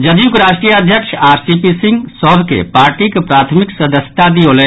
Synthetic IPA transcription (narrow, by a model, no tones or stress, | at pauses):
d͡ʒəd̪ijukɾaʃʈɾijəəd̪ʱjəkʃaːɾsipisiŋɡsɔɦbʱkḛpaːɾʈikepɾat̪ʰmiksəd̪əsjə̥t̪ad̪iolɛ